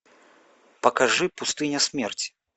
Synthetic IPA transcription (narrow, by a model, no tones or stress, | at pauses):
pɐkaʐɨpust̪ɨnʲɐsʲmʲɛrt͡sʲi̥